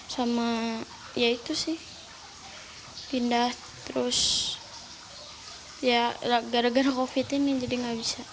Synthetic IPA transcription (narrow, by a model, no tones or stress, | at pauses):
sama | jait̪usɪh | pindah | t̪əɾʊs | jaɾaɡaɾaɡaɾakofit̪inid͡ʒadiŋɡabisa